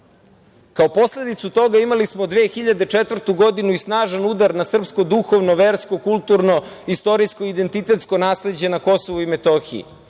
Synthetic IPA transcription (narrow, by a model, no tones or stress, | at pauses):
kaopo̞sle̞d̪it̪sut̪o̞ɡaimalismod̪ʋeːxiʎad̪et͡ʃet̪vr̩t̪uɡo̞d̪inuisnaːʒanud̪aɾnasr̩psko̞d̪uxoʋnoʋeːɾskokulˠt̪uɾno̞ | ist̪o̞ɾiskoid̪e̞nt̪it̪e̞t̪sko̞naːsle̞d͡ʑe̞nako̞soʋuimet̪oxḭḭ